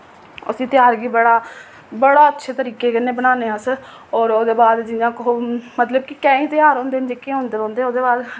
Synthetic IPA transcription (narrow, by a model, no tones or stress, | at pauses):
ə̰sĩːt̪ɪjaːɾɡiːbəɽaː | bəɽaːətːʃʰeːt̪əɾiːkeːkɪneːbənaːneːãsə | ɔːɾoːd̪eːbaːd̪d͡ʒɪjãːkomət̪ləbkɪkɛ̃ːĩːt̪ɪjaːɾɦõːnd̪eːnd͡ʒeːkẽːɦõːnd̪eːɾõːnd̪eːoːd̪eːbaːd̪